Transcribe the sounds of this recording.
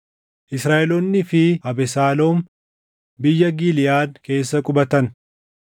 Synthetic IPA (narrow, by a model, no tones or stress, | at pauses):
ʔɪsɾaːʔɛloːnːɪfɪɐbɛsaːloːm | bɪjːɐɡilɪjaːnke̞ːsːɐkʼʊbɐt̪ɐn